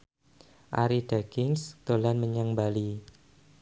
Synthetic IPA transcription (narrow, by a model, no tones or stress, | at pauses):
ʔa̰ɾid̥aɡɪŋsd̪̥olanməɲaŋbali